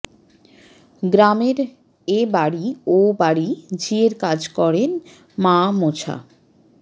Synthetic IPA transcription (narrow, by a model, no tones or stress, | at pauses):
ɡɾameɾ | ebaɽiobaɽid͡ʑieɾkad͡ʑkɔɾen | mamot͡ɕʰa̰